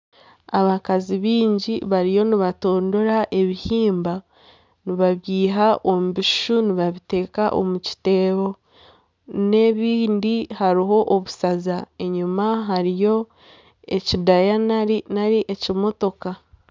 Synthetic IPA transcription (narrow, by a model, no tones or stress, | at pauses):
aβakaziβiːɲɟiβaɾijo̞niβato̞ːndo̞ɾaʔe̞βihiːmba | niβaβjiːɦaʔo̞muβiʃʃuniβaβite̞ːkaʔo̞̰muci̥te̞ːβo̞ | ne̞βiːndihaɾiɦo̞ʔoβusazae̞ɲumaɦaɾijo̞ | ecidajanainaɾiʔe̞cimo̞to̞ka